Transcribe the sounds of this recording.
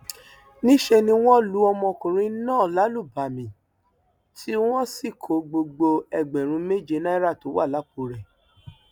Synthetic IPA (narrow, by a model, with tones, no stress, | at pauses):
nĩ˦ʃe˧nĩ˧w̃ɔ̃˦lu˨˦ɔ˧mɔ̃˧˨kũ˨ɾ̃ĩ˧˦nãː˦˨la˨˦lu˦˨ba˨mĩ˨ | tʰi˦w̃ɔ̃˦si˦˨kʰo˨ɡ͡bo˧ɡ͡bo˧ɛ˦˨ɡ͡bɛ̃˨ɾ̃ũ˨˧me˦d͡ʒe˧˦na˦ɾa˦˨to˨˦wa˦˨la˨˦k͡pu˨˧˦ɾɛ˨